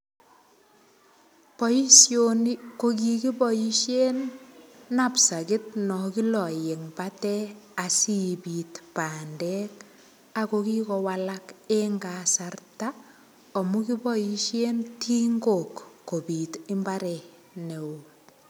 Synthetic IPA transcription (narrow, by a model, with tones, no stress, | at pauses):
pɔi˦sjoni˦ko˦k̬i˨ki˦bɔ˨ji˦ʃje˦nː | a˨psa˨kɪ˦t̚nɔ˨ki˦lɔ˨je˨ŋbatɛasibi˨tpaː˨ndɛ˦k | a˨koki˦kɔwalakeŋɡa˨sarta | ɔ˨muki˦bɔ˦jiʃje˦ntʰiː˦ŋɡo˨kːo˨bi˨tɪ˦mbaɾɛ˨ | ne˨u